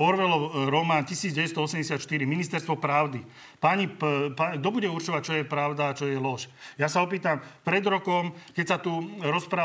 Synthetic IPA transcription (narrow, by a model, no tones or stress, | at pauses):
ɔɾʋɛlɔɾɔmaːncisiːd͡zɟɛʋɛst̪ɔɔsɛmɟɛsɪat̪ʃt̪iɾiminist̪ɛɾst̪ʋɔpɾaʊd̪i | paɲipaɡd̪ɔbuɟɛuɾt͡ʃɔʋac̚t͡ʃɔjɛpɾaʊd̪aːt͡ʃɔjɛlɔʃjasaɔp̬iːt̪ampɾɛd̪ɾɔkɔmkɛcsat̪uɾɔspɾaː